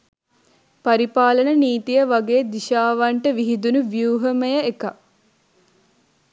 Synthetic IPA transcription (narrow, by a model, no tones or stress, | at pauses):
paɾipaːlənəniːt̪ijəʋaɡeːd̪iʃaːʋaɳʈəʋiɦid̪unuʋjuːɦəməjəeka